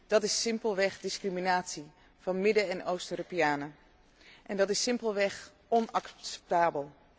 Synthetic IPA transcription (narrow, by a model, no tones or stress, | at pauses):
d̥ɑtɪsɪmpəlˠʋɛχdɪskriminaːtsi | v̥ɑnmɪdəɛnʔowstøːɾopijaːnə | ʔɛndɑtɪsɪmpəlˠʋɛχ | ɔnɑkssɛ̥p̚taːbəlˠ